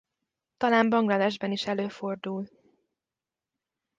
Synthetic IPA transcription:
t̪ɒlaːmbɒŋɡlɒd̪ɛʒbɛniʃɛløːfo̞rd̪uːl

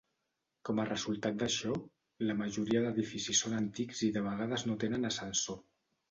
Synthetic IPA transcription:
kɔmərəzulˠt̪at̪̚d̪əʃɔ | ləməʒuɾiəðəðifisisːonənt̪ikziðəβəɣ̞aðəznot̪enənəsənso

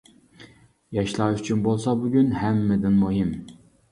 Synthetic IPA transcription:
jɑʃlˠɑʃyt͡ʃʰynbolˠsɑbuɡʲynhɛmːɪd̪ɪnmuɦim

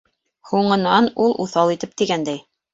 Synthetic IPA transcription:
huɴɤ̆nɑnulˠʔuθɑlˠit̪ɘp̚t̪iɡænd̪æj

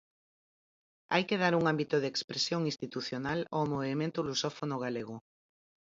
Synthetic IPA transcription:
a̰jkeð̞aɾuŋambit̪ʊðekspɾesjoŋĩst̪it̪uθjonalomoβemẽnt̪ʊlusɔfonʊɣaleɣʊ

